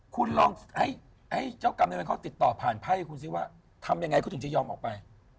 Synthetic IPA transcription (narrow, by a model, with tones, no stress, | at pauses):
kʰu˧nlɔː˧ŋha˥˩j | ha˥˩jt͡ɕaː˥˩wka˧mna˧nkʰɔː˥˩t̪i˨˩t̪ːɔː˨˩pʰaː˨˩npʰa˥˩jkʰu˧nsi˥˩waː˥˩ | t̪ʰa˧mja˧ŋa˧jkɔː˥˩t̪ʰt͡ɕʰa˨˩jɔː˧mʔɔ̰ː˨˩k̚pa˧j